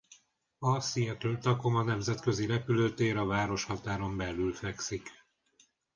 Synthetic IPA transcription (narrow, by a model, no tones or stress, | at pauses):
ɒsijɛt̪øːt̪ɒko̞mɒnɛmzɛt̪kø̞ziɾɛpyløːt̪eːɾɒvaːɾo̞ʃhɒt̪aːɾo̞mbɛlːylfɛksik